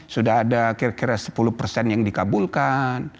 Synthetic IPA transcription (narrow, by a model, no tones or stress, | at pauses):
sudaɦadakiɾakiɾasə̥pulʊhpərsɛnjaŋdikabulkan